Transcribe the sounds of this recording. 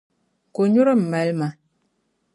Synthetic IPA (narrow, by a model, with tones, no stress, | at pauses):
ko˨ɲu˦ɾə˦m̩˨mɛ˨lma˨